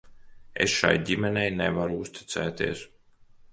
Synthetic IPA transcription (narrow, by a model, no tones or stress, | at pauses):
ḛsʃa̰jɟʲimɛnɛjnevaɾuust̪i̥t̪sɛ̰ːt̪ḭɛs